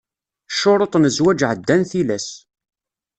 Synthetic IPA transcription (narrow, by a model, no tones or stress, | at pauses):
ʃːoɾˤot̪ˤnəzwæd͡ʒʕəd̪ːænθilæs